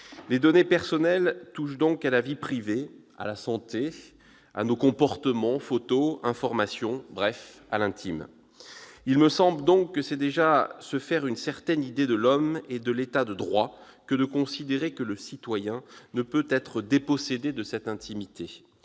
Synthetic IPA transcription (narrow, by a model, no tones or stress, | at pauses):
led̪ɔnepɛʁsɔnɛlt̪uʃd̪ɔ̃kalavipχive | a̰lasɑ̃t̪e | a̰nokɔ̃pɔʁt̪əmɑ̃fot̪oɛ̃fɔʁmasjɔ̃bʁɛf | a̰lɛ̃t̪ʰim | ilməsɑ̃bləd̪ɔ̃kːəsɛd̪eʒasəfɛʁynsɛʁt̪ɛnid̪ed̪əlɔmed̪əlet̪ad̪əd̪ʁwa | kəd̪əkɔ̃sid̪eʁekələsit̪wajɛ̃nəpøt̪ɛt̪χəd̪epɔsed̪ed̪əsɛt̪ɛ̃t̪ʰimit̪ʰe